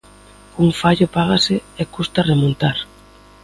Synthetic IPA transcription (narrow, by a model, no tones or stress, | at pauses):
uŋfaʎʊpaɣasɪekust̪aremõnt̪aɾ